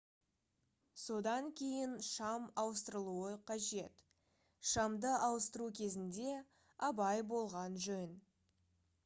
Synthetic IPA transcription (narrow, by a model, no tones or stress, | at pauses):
so̞d̪ɑŋkʲʰe̞jɪnʃɑmɑwəst̪əɾəlˠuəqʰɑʒe̞t̪ | ʃɑmd̪əʔɑwəst̪əɾukʲʰe̞zɪnd̪e̞ | ɑbɑjbo̞lˠʁɑnʒɵn